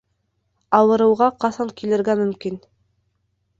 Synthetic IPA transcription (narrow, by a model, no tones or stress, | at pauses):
ɑwɤ̆ɾɤ̆wʁɑqɑsɑŋkilɘ̆ɾɡæmɵ̆mkin